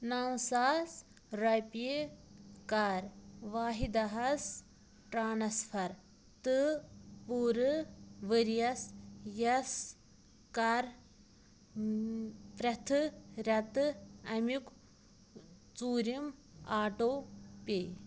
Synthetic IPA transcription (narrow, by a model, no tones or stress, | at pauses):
nɐwsaːs | ɾɐpi | kaɾʋaːɦid̪ɐɦɐs | ʈɾaːnɐsfʰɐɾ | t̪ɨpuːɾɨʋəɾijɐsjɐs | kɐɾ | pɾɐt̪ʰɨɾɐt̪ɨɐmik | t͡suːɾim | aːʈoːpeː